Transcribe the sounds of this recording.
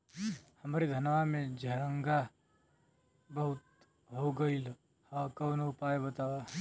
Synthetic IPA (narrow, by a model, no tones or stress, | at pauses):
hɐmaɾid̪ʱɐnʋamẽd͡ʒʱɐɾəŋɡa | bəɦʊt̪̚ | ɦoɡəil | hãkɐwnopaːjebət̪aːʋa